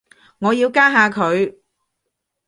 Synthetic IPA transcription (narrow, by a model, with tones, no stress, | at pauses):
ŋɔː˨˧jiː˧wkaː˥ɦaː˧kʰɵ˨˧ɥ